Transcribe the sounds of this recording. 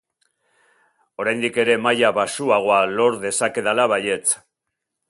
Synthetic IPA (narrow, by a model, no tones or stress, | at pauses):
o̞ɾajnd̪ike̞ɾe̞majaβasuaɣ̞o̞alo̞ɾðe̞sake̞ðalaβaje̞t͡s